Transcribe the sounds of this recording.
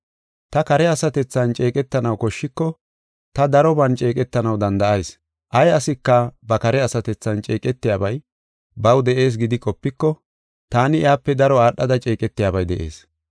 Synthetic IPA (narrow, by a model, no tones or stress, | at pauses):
t̪ɐkɐɾɛɐsɐt̪ɛt͡sːɐnt͡ʃʼe̞ːkʼɛt̪ːɐnɐwkɔʃːɪkːɔ | t̪ɐd̪ɐɾɔbɐnt͡ʃʼe̞ːkʼɛt̪ːɐnɐwd̪ɐnd̪ɐʔɐjs | ʔɐjɐsɪkːɐbɐkɐɾɛɐsɐt̪ɛt͡sːɐnt͡ʃʼe̞ːkʼɛt̪ːɪjaːbɐj | bɐwd̪ɛʔe̞ːs̬ɡɪd̪ɪkʼɔpːɪkːɔ | t̪aːnɪaːpːɛd̪ɐɾɔaːɗːɐd̪ɐt͡ʃʼe̞ːkʼɛt̪ːɪjaːbɐjd̪ɛʔe̞̰ːs